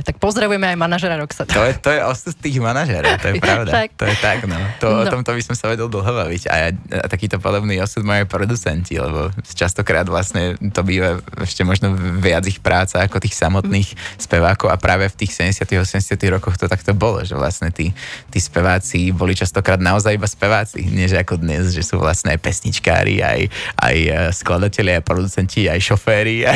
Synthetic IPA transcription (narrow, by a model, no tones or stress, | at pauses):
t̪ak̚pɔzd̪ɾaʋujɛmɛajmanaʒɛɾaɾɔksat̪t̪ɔjɛt̪ɔjɛʔɔsut̪t̪ːiːɣmanaʒɛɾɔʊt̪ɔjɛpɾaʊd̪at̪ɔjɛt̪aɡnɔt̪ɔɔt̪ɔmt̪ɔbisɔmsaʋɛɟɛlˠd̪l̩ˠɦɔbaʋiɟa̰ja̰t̪akiːt̪ɔpɔd̪ɔbniːɔsud̪mauajpɾɔd̪ut͡sɛncḭlɛ̰bɔ̰t͡ʃast̪ɔkɾaːd̪ʋlasɲɛt̪ɔbiːʋaɛ̰ʃcɛmɔʒnɔʋɪad͡zixpɾʔaːt͡saːkɔt̪iːxsamɔt̪niːxspɛʋaːkɔʊapɾʔaːʋɛft̪iːxsɛɟɛsɪat̪iɣɔsɛmɲɟɛsɪat̪iɦɾɔkɔxt̪ɔt̪akt̪ɔbɔlɔ̰ʒɛ̰ʋla̰sɲɛt̪iːt̪iːspɛʋaːt͡sibɔlit͡ʃast̪ɔkɾaːd̪naɔzajibaspɛʋaːt͡sḭɲɪɛʒɛakɔd̪ɲɛzʒɛsṵːʋla̰sɲɛajpɛsɲit͡ʃka̰ːɾḭa̰jʔa̰jsklad̪acɛʎɪaajpɾɔd̪ut͡sɛnciajʃɔfɛːɾia